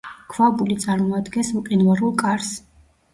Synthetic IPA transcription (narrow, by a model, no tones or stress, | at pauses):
kʰvabulit̪sʼaɾmɔad̪ɡɛnsmqʼinvaɾulˠkʼaɾs